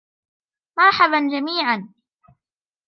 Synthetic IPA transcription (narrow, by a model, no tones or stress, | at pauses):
mɑɾˤħaband͡ʒamiːʕan